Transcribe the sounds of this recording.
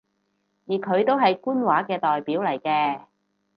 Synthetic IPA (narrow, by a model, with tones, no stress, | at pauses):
jiː˨˩kʰɵ˨˧ɥt̪o˥wɦɐ˨jkuː˥nwaː˨˥kɛː˧t̪ɔː˨jpiː˨˥wlɐ˨˩jkɛː˧